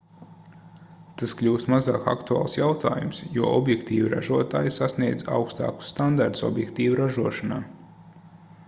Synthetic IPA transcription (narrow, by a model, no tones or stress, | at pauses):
t̪asklʲuːst̪mazaːka̰kt̪ua̰ːlˠsjawt̪a̰ːjumsjuɔʔɔbjɛkt̪iːviɾa̰ʒuɔt̪aːjsasniɛd̪za̰wkst̪a̰ːku̥sːt̪and̪aɾt̪usɔ̰bjɛkt̪iːvuɾaʒuɔʃanaː